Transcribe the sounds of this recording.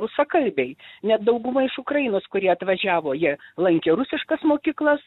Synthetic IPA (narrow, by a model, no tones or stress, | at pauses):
ʊsɐkɐlʲbʲɛɪnʲɛt̪d̪ɐʊɡʊmɐɪʃʊkɾɐjɪnoːskʊɾʲiɛɐt̪ʋɐʒʲæːʋoːjiɛlˠɐŋʲkʲeːɾʊsʲɪʃkɐsmoːkʲiːklˠɐs